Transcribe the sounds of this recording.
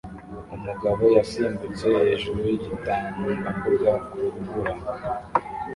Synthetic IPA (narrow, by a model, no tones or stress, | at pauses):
umuɡaβo̞jasiːmbut͡sehhe̞ːʒuɾujiɟitaːndoakuɾɡakuɾuvuɾa